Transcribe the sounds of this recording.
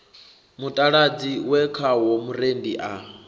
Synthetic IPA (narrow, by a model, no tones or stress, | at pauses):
mutʼaɺad͡ziwɛkʰawomuɾendiʔa